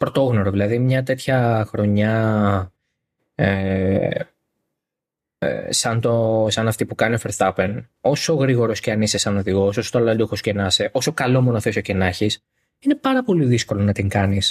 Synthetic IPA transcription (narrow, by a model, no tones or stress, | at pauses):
pɾot̪o̞ɣnoɾoðilɐðimɲɐt̪e̞t̪çɐxɾo̞ɲɐ | e | ḛsɐnt̪o̞sɐnɐft̪ipukɐniofeɾst̪ɐpen | o̞so̞ɣɾiɣo̞ɾosceɐnisesɐno̞ðiɣoososot̪olɐld̪oxoscenɐseʔo̞so̞kɐlo̞monoθesocenɐçis | ine̞pɐɾɐpo̞liðisko̞lo̞nɐt̪iŋkɐnis